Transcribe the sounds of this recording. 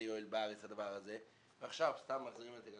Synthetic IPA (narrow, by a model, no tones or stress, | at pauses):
joilbaʁet͡shad̪avaʁaze | veaχʃavst̪amːaχziʁimlet̪eɡ